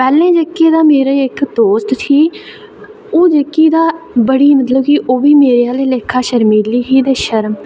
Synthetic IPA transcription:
pɛːlẽːd͡ʒəkːeːd̪aːmeːɾeːɪkd̪oːst̪sʰiː | oːd͡ʒəkːiːd̪aːbəɽiːmət̪ləbkiʔoːʋiːmeːɾeːaːleːleːkʰːaːʃəɾmiːliːɦiːd̪eːʃəɾm

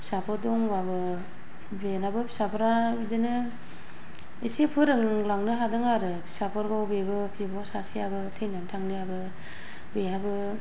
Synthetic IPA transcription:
pʰi̥sapʰɯdɔŋwabɯ | benabɯpʰi̥sapʰɯɾabidɯnɯ | esepʰɯɾɯŋɯŋlaŋnɯɦadɯŋaɾɯpʰi̥sapʰɯɾɡawbebɯpʰibɔsasiabɯtʰejnantʰaŋniabɯ | bejabɯ

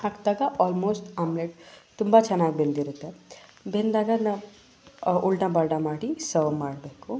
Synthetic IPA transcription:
haːkd̪aːɡaʔɔːlmoːsʈaːmleʈt̪umbat͡ʃʰɐnaːɡbend̪iɾut̪ːebend̪aːɡana | uɭʈabɐɾɖamaːɽisɐʋmaːɽbeːku

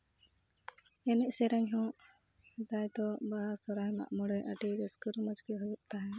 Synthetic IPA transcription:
ɛnɛʔsɛɾaɲɦɔ̃ | d̪ajd̪ɔbaasɔɾajma̰ʔmɔɽɛjʔəʈiɾɛskuɾmɔd͡ʒkiɦujuʔt̪aɦɛ̃

